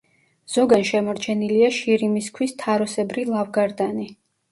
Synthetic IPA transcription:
z̥ɔɡanʃɛmɔɾt͡ʃʰɛniliaʃiɾimiskʰwist̪ʰaɾɔsɛbɾilˠavɡaɾd̪ani

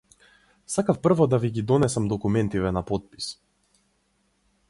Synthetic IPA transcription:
sakafpr̩vɔd̪aviɡid̪ɔnɛsamd̪ɔkumɛnt̪ivɛnapɔt̪̚pi̥s

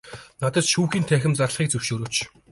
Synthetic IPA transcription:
nat̪ə̆t̪ʃuːxiːnt̪ʰæːxʲɪ̆mt͡sarɮχiːkt͡sɵw̥ʃoːɾoːt͡ɕ

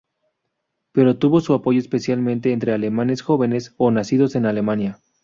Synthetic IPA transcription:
pe̞ɾo̞t̪uβo̞suapo̞ʝo̞espe̞sjalmẽnt̪e̞ːnt̪ɾe̞ale̞mãne̞sxo̞βe̞ne̞so̞nasiðo̞se̞nale̞manja

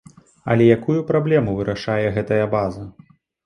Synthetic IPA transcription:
ɐ̰lʲɛjakujupɾablʲɛmuvɨɾaʂajɛɣɛt̪ɐjɐbazɐ

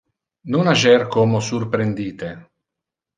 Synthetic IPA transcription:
nonaʒɛrkomosurpɾend̪iːt̪e

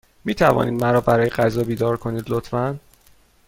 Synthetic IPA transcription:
miːt̪ʰævɒ̰ːniːd̪mæɾɒːbæɾɒːjeɢæzɒːbiːd̪ɒːɾkʰo̞niːd̪lot̪fæn

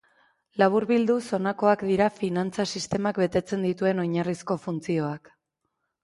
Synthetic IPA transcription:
laβ̞uɾβild̪uso̞nako̞akd̪iɾafinant͡sasist̪e̞makbe̞t̪e̞t͡se̞nd̪it̪ue̞no̞jɲarisko̞funt͡sio̞ak

